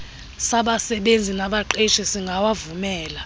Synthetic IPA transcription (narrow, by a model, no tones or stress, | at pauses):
saɓasɛɓend͡zʱinaɓaǃeʃisiŋɡʱawavumɛːla